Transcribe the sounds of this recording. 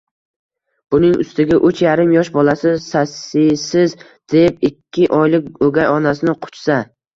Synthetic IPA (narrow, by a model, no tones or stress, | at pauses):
b̥ʊnɪŋʊ̰st̪ɪɡʲaʔʊt͡ʃjaɾɪmjɒʃbɒlˠasɪsasɪsɪz | d̪̥e̞p̚ɪkʲʰːɪʔɒjlɪk̚ʲoɡʲajɒnasɪnɪqʰʊ̥t͡ʃsa